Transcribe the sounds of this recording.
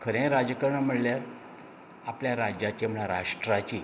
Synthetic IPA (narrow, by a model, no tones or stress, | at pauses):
kʰəɾẽɾad͡zəkəɾɳəm̤əɽljaɾ | apljaɾad͡ʑjat͡ɕem̤əɭãɾa̰ʂʈɾat͡ɕi